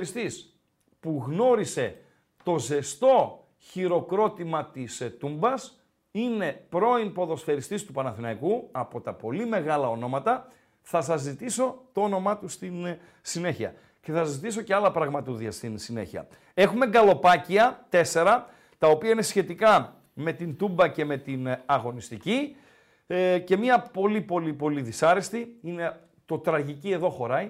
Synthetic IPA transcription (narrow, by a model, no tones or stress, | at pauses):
ɾist̪is | puɣno̞ɾise̞ | t̪o̞ze̞st̪o̞ | çiɾo̞kɾo̞t̪imɐt̪ist̪umbɐs | ine̞pɾo̞inpo̞ðo̞sfe̞ɾist̪ist̪upɐnɐθinɐikuɐpo̞t̪ɐpo̞lime̞ɣɐlɐo̞no̞mɐt̪ɐ | θɐsɐzːit̪iso̞t̪o̞ono̞mɐt̪ust̪in | sine̞çiɐ̰ | ce̞θɐzːit̪iso̞ce̞ɐlɐpɾɐɣmɐt̪uðiɐst̪insine̞̰çiɐ̰ | e̞xume̞ɡɐlo̞pɐciɐt̪e̞se̞ɾɐ | t̪ɐopiɐinesçe̞t̪ikɐ | me̞t̪int̪umbɐce̞me̞t̪inɐɣo̞nist̪ici | ce̞miɐpo̞lipo̞lipo̞liðisɐɾist̪iine | t̪o̞t̪ɾɐʝicie̞ðo̞xo̞ɾɐj